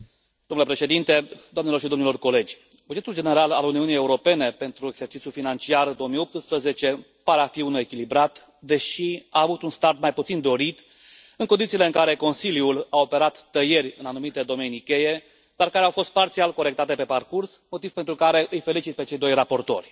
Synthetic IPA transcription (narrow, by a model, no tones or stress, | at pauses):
d̪omnulepɾe̞ʃe̞d̪int̪e̞d̪oamnelo̞rʃ̬id̪omnilo̞rko̞le̞d͡ʒʲ | bud͡ʒe̞t̪uld͡ʒe̞ne̞ɾalaluniunije̞uɾo̞pe̞ne̞pe̞nt̪ɾueɡ̥z̥e̞rt͡ʃit̪sjufinant͡ʃiard̪o̞omijo̞p̚t̪ɨspɾəze̞t͡ʃe̞ | paɾeafiunue̞kʲilibɾat̪ | d̪e̞ʃiaːvut̪unst̪art̪majput̪sind̪o̞ɾit̪ | ɨŋko̞nd̪it̪ile̞ɨŋkaɾe̞ko̞nsiljulao̞pe̞ɾat̪ːəje̞rʲɨnanumit̪e̞d̪o̞me̞nikʲe̞je̞ | d̪̥arkaɾeawfo̞st̪̚part̪sialko̞ɾe̞k̚t̪at̪e̞pe̞parkursmo̞t̪iv̥pent̪ɾukaɾe̞ʔɨjfe̞lit͡ʃit̪̚pe̞t͡ʃe̞jd̪o̞jrapo̞rt̪o̞̰rʲ